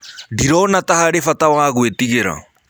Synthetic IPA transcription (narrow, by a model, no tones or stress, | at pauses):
diɾɔnatahaɾefatawaɣwetiɣeɾa̰